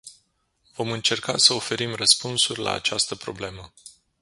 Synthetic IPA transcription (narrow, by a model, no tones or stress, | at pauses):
vo̞mɨnt͡ʃe̞rka̰səo̞fe̞ɾimrəspunsurʲla̰ːt͡ʃast̪əpɾo̞̰ble̞mə